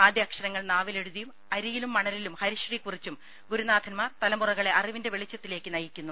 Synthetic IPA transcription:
aːd̪jaːkʂɐnɐŋːɐɭnaːʋile̞ɽuðɐjum | ɐɾijilumːɐɳɐlilumhɐɾiʂrikurit͡ɕːum | ɡuɾunaːd̪ʰʱɐnmaːrt̪ɐlɐmurɐɣɐɭe̞ʔɐriʋinde̞ʋe̞ɭit͡ɕːɐt̪ːile̞ːkːɨnɐjikʲːunːu

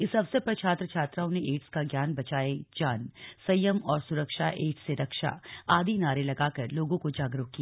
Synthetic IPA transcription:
ɪsɐbsepɐɾt͡ʃʰaːt̪ɾət͡ʃʰaːt̪ɾaːõneʔeːʈskaɡjaːnbɐt͡ʃaːed͡ʒaːnsɐjəmɔːɾsʊɾəkʃaʔeːʈseɾɐkʃa̰aːd̪ʱinaːɾelɐɡakɐɾloːɡõkod͡ʒaːɡɾʊɦkːia

